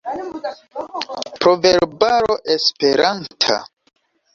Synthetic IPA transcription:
pɾo̞veɾbaɾoʔespe̞ɾantʰa̰

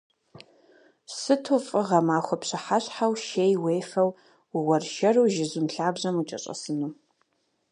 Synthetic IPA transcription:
sɨtʰufʼɨʁɐmaːχʷɔpɕɪħaɕħawʃeːjweːjfɐw | wɐrʃɐruwʒɪzɨmɬaːbʑɐmut͡ʃʼɐ̰ɕʼɐ̰sɨnu

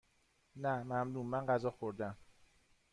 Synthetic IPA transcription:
næmæmluːmːænɢæzɒːxoɾd̪æm

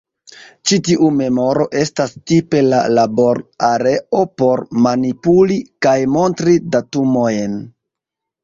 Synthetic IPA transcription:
t͡ʃitiʔume̞mo̞ɾo̞ʔe̞stastipe̞la̰labo̞ɾaɾe̞ʔo̞po̞ɾmanipulikajmo̞ntɾidatumo̞jn

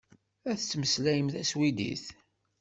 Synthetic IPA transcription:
æθət͡sːməslæjəmθæswid̪ḭθ

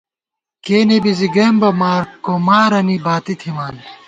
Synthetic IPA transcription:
keːnebiziɡɐːmbɐmaːɾkomaːɾɐnibaːt̪it̪ʰimaːn

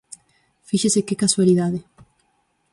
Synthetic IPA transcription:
fiʃesekekaswaliðaðe

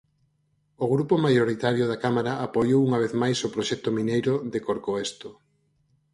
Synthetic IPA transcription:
oɣɾupomajoɾit̪aɾjoðakamaɾaapojowuŋaβ̞eθmajsopɾoʃɛk̚t̪ominejɾʊðekoɾkoest̪o

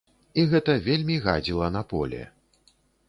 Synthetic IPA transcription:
iɣɛt̪ɐvʲelʲmʲiɣa̰d͡zʲilˠɐnɐpɔ̰lʲɛ̰

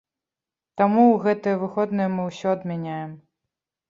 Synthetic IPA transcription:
t̪amuwɣɛt̪ɨjɐvɨxɔd̪nɐjɐmɨwsʲɔɐd̪mʲanʲajɛm

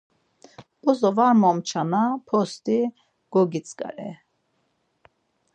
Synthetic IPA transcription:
ɔzɔvaːmɔmt͡ʃʰanapʰɔst̪i | ɡ̥ɔɡit͡sʼkʼa̰ɾɛ̰

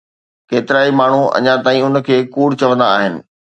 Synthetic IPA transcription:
keːt̪ɪɾaːimaːɳ̤uɐ̰ɲãt̪aːĩʊnəkʰeːkuːɽt͡ɕɐʋə̃nd̪aːɦɪnɪ̰̆

